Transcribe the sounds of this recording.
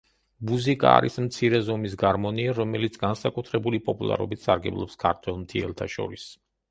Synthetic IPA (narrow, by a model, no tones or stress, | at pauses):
muzikʼa̰ːɾismt̪sʰiɾɛzɔmis̬ɡaɾmɔniaɾɔmɛlit̪sʰɡansakʼut̪ʰɾɛbulipʼɔpʼulˠa̰ɾɔ̰bit̪ʰsaɾɡɛblˠɔpskʰaɾt̪ʰwɛlˠmt̪ʰiɛlˠt̪ʰaʃɔ̰ɾis